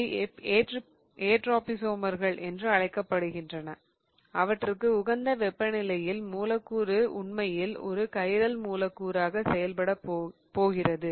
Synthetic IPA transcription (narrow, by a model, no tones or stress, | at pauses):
eːʈ | eːʈraːpisoːmɐɾɣɐɭʔɛndrɯɐɻɐɪkːɐpːɐɽɯɣɪndrɐnɐ | ʔɐʋɐʈːrɯkːɯʊɣɐnd̪ɐʋɛpːɐnɪlɐjɪlmuːlɐkːuːɾɯʊɳmɐjɪlɔ̰ɾɯkɐɪɾɐlmuːlɐkːuːɾaːɣɐsɛjɐlpɐɽɐpːoːɣɪrɐðɯ